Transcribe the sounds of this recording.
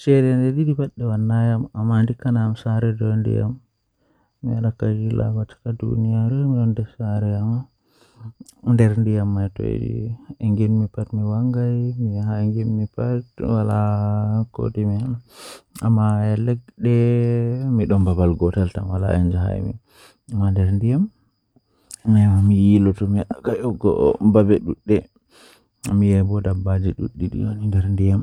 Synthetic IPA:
t͡ʃɛɾɛndɛdidipaɗːɛwanːajamamandikːanamsaɾɛdɔndḭja̰mː | iaɗakad͡ʒilʔa̰wat͡ʃḁkadṵnijaɾɔmiɔndɛsaɾɛama | ndɛɾndijamːajtɔ̰j̰eŋɡinmipatmiwaŋɡajmihaŋɡinmipatwalako̰timihanaamːaɛlɛɡ̚ɗɛ | miɗɔmbabalɡɔtalta̰nwala̰ɛ̰ɲd͡ʒaɦa̰jmḭ | amːandɛɾndijam | nɛamijilɔtɔmikajɔɡɔ̰babɛɗuɗːɛ | mijɛbɔdabːad͡ʒiɗuɗːiɗḭonindɛɾndijam

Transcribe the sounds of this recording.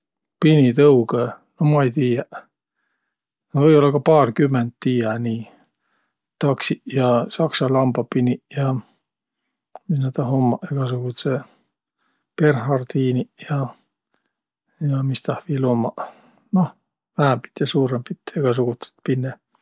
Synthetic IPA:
pinit̪ɤuɡe | nohmɑejt̪iːjɑ | novɤjo̞lːɑkɑpɑːrkymːend̪t̪ːiːjɑniː | t̪ɑksiʔjɑsɑksɑlɑmbɑpinijɑ | misnæt̪ɑɦomːɑʔeɡ̥ɑs̬uɡ̥ut̪se | pe̞rhɑrt̪iːnijɑ | jɑmist̪ɑhviːloːmːɑ | noh | væhæmpi̥t̪jɑsuːɾempit̪ːeɡ̥ɑs̬uɡ̥ut̪se̥t̪pinːe

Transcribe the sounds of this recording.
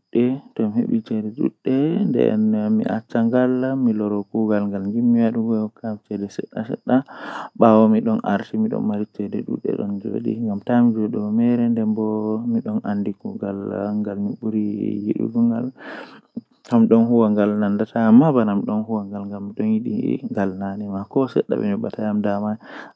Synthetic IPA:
ɗːɛtɔmhḛɓit͡ʃɛdɛɗṵɗːɛndɛ̰nmḭʔa̰t͡ʃːaŋɡalːamilɔɾɔkuɡalŋɡalŋɡimːiwaɗuɡɔjɔkamt͡ʃɛdɛsɛɗːa̰sɛ̰ɗːaɓawɔmiɗɔna̰ɾtimiɗɔ̰nmaɾit͡ʃɛdɛ̰ɗṵɗːɛ̰ɗɔ̰nd͡ʒo̰ɗḭŋɡamtamid͡ʒoɗɔmɛɾɛndɛmbɔmiɗɔna̰ndikuɡala̰ŋɡalmibuɾijḭɗṵɡuŋɡa̰l | amiɗɔnɦuwaŋɡalnandatʰamːabanamɗɔnhuwaŋɡalŋɡamːiɗɔnjiɗḭŋɡalnanɛmakɔsɛ̰ɗːa̰ɓɛ̰nɛɓatajamdaman

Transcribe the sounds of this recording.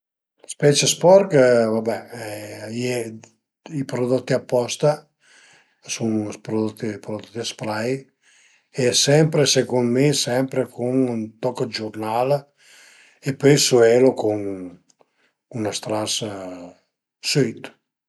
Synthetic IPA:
spɛt͡ʃespɔɾkvabɛɛjɛ | ipɾod̪ot̪ːiapːɔst̪a | suŋpɾod̪ot̪ːipɾod̪ot̪ːd̪aspɾaj | esɛmpɾesekonmesɛmpɾekʰuŋnt̪ɔkd͡ʒurnal | epøjsuɛlokuŋ | unast̪ɾas | søt̪

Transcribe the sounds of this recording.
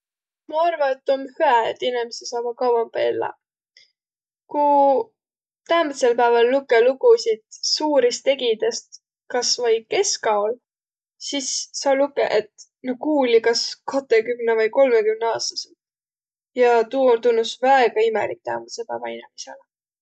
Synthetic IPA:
mɑɑrvɑnet̪ːomhyæet̪ːˑinemisesɑːb̥ɑkɑwwɑmb̥ɑelːɑ̰ | ku | t̪æːmit̪se̞lpæevɑlːukːeluɡusid̪̥suːɾist̪e̞ɡid̪̥est̪ | kɑsvɑjke̞skɑol | sisːɑlukeʔet̪ | nohkuːlikɑskʰɑt̪ːekymnevɯjko̞lmekymneɑːst̪ɑ̥sid̪̥ | jɑt̪uːolt̪unːusvæeɡ̥ɑimḛlik̚t̪æːmut̪selpæːvɑinemisḛle

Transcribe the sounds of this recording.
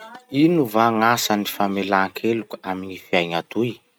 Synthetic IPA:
inuvaŋasanifamelakʰelukə̥aminifiajɲat̪ui

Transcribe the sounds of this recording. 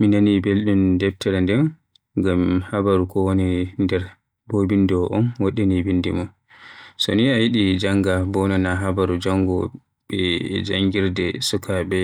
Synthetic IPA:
minanibelɗundɛb̚tʰɛɾɛndɛn | ɡamhabaɾukɔwonindɛɾ | bobindɔʔɔnwɔɗɛnibindḭmɔn | sɔniajiɗid͡ʒaŋɡabɔnɔnaɦabaɾud͡ʒaŋɡɔ | ɓɛd͡ʒaŋɡiɾdɛsukʰabɛ

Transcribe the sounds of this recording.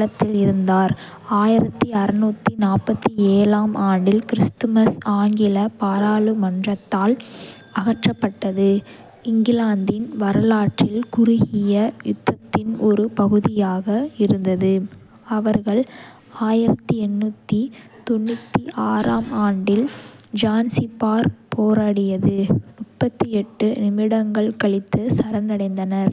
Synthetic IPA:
ɐt̪ːɪlɪɾɯnd̪aːɾ | aːjɪɾɐt̪ːɯɐɾɪnuːt̪ːinaːpːɐt̪ːieːlaːmaːɳɖɪlkɪɾɪst̪ɯmɐsaːŋɡɪlɐpaːɾaːɭɯmɐndrɐt̪ːaːl | ɐɣɐʈrɐpːɐʈːɐðɯ | ɪŋɡɪlaːnd̪ɪnʋɐɾɐlaːʈrɪlkʊɾʊɣɪjɐjʊt̪ːɐt̪ːɪnɔɾɯpɐɣɯðɪjaːɣɐɪɾɯnd̪ɐðɯ | ɐʋɐɾɣɐɭ | aːjɪɾɐt̪ːɯɛɳːuːt̪ːit̪ɔɳːɯt̪ːiʔaːɾaːmaːɳɖɪld͡ʒaːnsipːaːɾpoːɾaːɽɪjɐðɯmʊpːɐt̪ːɯɛʈːɯnɪmɪɽɐŋɡɐɭkɐɭɪt̪ːɯsɐɾɐnɐɽɐɪnd̪ɐnɐɾ

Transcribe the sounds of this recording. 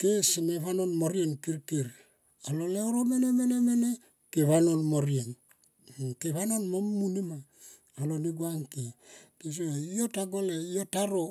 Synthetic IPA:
kesineβanonmoɾienkiɾkiɾ | aloleoɾomenemenemene | keβanonmoɾien | keβanonmomːunimaː | loniɡuaŋkekes̬oijotaɡoleijotaɾo

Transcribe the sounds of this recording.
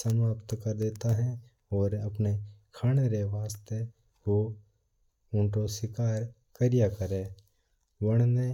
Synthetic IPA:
sənaːpt̪kəɾd̪eːt̪aɦɛ̃ | ɔːɾɐpnekʰaːɽ̃eɾeʋaːst̪e | ko | ʊ̃ɳʈosɪkaːɾ | kəɾɪjakəɾeː | ʋəɽ̃ne

